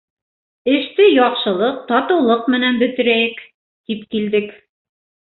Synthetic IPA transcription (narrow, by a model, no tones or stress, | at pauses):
ɘ̆ʃt̪ɘjɒqʃɤ̆lˠɤq̚t̪ɒt̪ɤ̆wlˠɤqmɘ̆nænbɵ̆t̪ɘ̆ɾæjɘk | t̪ipkild̪ɘk